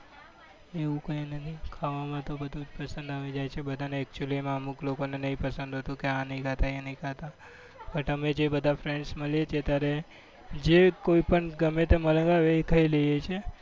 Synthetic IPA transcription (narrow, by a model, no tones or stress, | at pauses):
eʋũkəinət̪ʰikʰaʋamãt̪obəd̪ʱũd͡ʒpəsə̃nd̪aʋid͡ʒajt͡ʃʰebəd̪ʱaneːk̚t͡ʃuəlimãəmuklokonenəɦĩpəsə̃nd̪ʱɦət̪ũkeanəɦĩkat̪aenəĩkʰat̪a | pəʈəmed͡ʒebəd̪ʱafɾẽɳɖsməlijet͡ʃʰet̪jaɾe | d͡ʒekoipəɳɡəmẽt̪emələ̃ɡaʋeekʰəiləjet͡ʃʰe